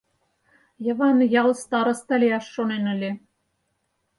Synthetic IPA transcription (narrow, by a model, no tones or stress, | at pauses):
jɤ̆βɑnjɑlˠst̪ɑɾɤ̆st̪ɑlʲeɑʃːonenɘ̆lʲe